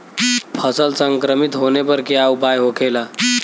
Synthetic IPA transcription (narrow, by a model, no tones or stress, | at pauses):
pʰəsəlsə̃ŋkɾəmit̪ɦonepəɾkiaupajɦokʰela